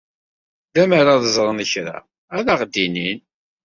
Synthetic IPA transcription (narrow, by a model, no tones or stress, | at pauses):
ðæməɾaðəzˤɾˤənəçɾa̰ | æðaʁd̪inin